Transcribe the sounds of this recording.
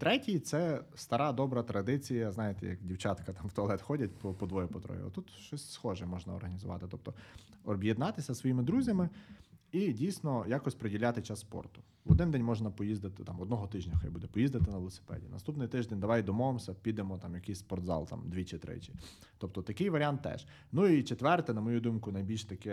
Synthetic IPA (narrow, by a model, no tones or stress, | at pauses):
t̪ɾɛtʲijt̪sɛst̪ɐɾɑd̪ɔbɾɐt̪ɾɐd̪ɪt͡sʲijɐznɑjet̪ɛ̰jɐ̰kdʲiwt͡ʃɑt̪kɐt̪ɑmwt̪ɔɐlˠɛt̪xɔdʲɐt̚ʲpɔpɔd̪ʋɔjʊpɔt̪ɾɔ̰jʊ̰ɐ̰t̪ut̪ʃt͡ʃɔsʲsxɔʒɛmɔʒnɐɔ̰rɦɐnʲizʊʋɑ̰t̪ɪt̪ɔp̚t̪ɔɔbjed̪nɑt̪ɪsʲɐsʋɔjimɪd̪ɾuzʲɐmɪidʲijsʲnɔjakɔsʲpɾedʲilʲːat̪ɪt͡ʃasːpɔ̰rt̪ʊ̥ | ʋɔd̪ɪnd̪ɛnʲmɔʒnɐpɔjizd̪ɪt̪ɪt̪ɑmɔd̪nɔɦɔt̪ɪʒnʲɐxɔ̰jbud̪ɛpɔjizd̪ɐt̪ɪnɐʋeɪlˠɔse̥pɛ̰dʲḭnɐ̰st̪upnɪjt̪ɪʒd̪enʲd̪ɐʋɑjd̪ɔmɔʋemsʲɐpʲid̪emɔt̪ɑmjɐkɪjsʲspɔrt̪zɑ̰lˠt̪ɑ̰md̪ʋʲit͡ʃɪt̪ɾɪ̰t͡ʃɪ | t̪ɔp̚t̪ɔt̪ɐkɪjʋɐɾʲɪant̪ːɛ̰ʃ | nuit͡ʃet̪ʋɛrt̪ɪnɐmɔjud̪umkʊnɐjbʲilʲʃt̪ɐkɛ